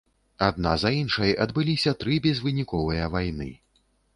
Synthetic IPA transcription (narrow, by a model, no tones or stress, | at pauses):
ad̪̚nazɐinʂɐjɐd̪bɨlʲisʲɐt̪ɾɨbʲɛzvɨnʲikɔvɨjɐvajnɨ̰